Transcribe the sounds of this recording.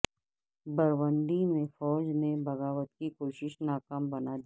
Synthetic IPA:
bɐɾʋə̃nd̪imẽfɔːd͡ʒnebɐɣaːʋət̪kikoːʃɪʃnaːkaːmbɐnad̪i

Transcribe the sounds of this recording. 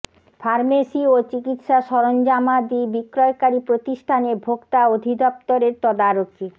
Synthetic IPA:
fʰaɾmesiot͡ɕikit̪ʃaʃɔɾond͡ʑamad̪ibikɾɔekaɾipɾot̪iʃʈʰanebʱoɡt̪aod̪ʱid̪ɔp̚t̪oɾeɾt̪ɔd̪aɾokʰi

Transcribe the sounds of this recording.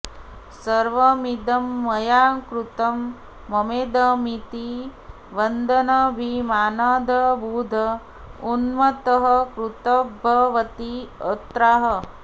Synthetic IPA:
sɐɾʋɐmid̪ɐmːɐjaːkɾut̪ɐmː | ɐmeːd̪ɐmit̪i | ʋɐnd̪ʱɐnɐbʱimaːnaːd̪ʱɐbuːd̪ʱɐ | unmɐt̪ɐɦɐkɾut̪ɐbʱɐʋɐt̪iɐt̪ɾaːɦɐ

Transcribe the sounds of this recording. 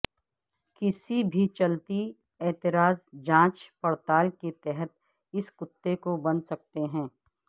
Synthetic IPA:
kɪsibʱit͡ʃɐlt̪i | ɛːt̪ɪɾaːzd͡ʒãːt͡ʃpɐɽt̪aːlket̪ɛɦət̪̚ | ɪskʊt̪ːekobɐnsɐk̚t̪eɦɛ̃ː

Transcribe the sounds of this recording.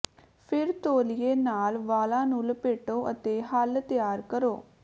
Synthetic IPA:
pʰɪɾt̪oːliːeːnaːlʋaːlãːnũːləpeːʈoːʔət̪eːɦəlt̪ɪjaːɾkəɾoː

